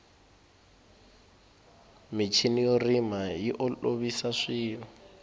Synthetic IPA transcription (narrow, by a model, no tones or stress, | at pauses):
mɪt͡ʃʰinijorimajiʔɔloβisaʂiːlɔ